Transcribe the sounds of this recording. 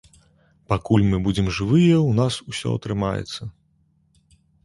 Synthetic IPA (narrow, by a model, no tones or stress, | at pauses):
pakulʲmɨbud͡zʲɛmʐɨvɨjɐwnasusʲɔ̰ɐ̰t̪ɾɨmajɛ̰t̪sːɐ